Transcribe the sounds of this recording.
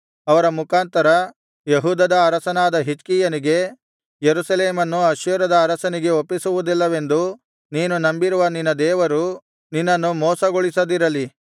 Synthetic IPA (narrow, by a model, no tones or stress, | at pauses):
ɐʋɐɾɐmukaːnt̪ɐɾɐ | jeɦuːd̪ɐd̪ɐːɾɐsɐnaːd̪ɐɦit͡ʃkiːjɐniɡe̞ | jeɾusɐleːmɐnːuɐʃjɐɾɐd̪ɐːɾɐsɐniɡe̞opːisuʋud̪ilːɐʋe̞nd̪u | niːnunɐmbiɾuʋɐninːɐd̪ɛːʋɐɾu | ninːɐnːumɔːsɐɡoɭisɐd̪iɾɐli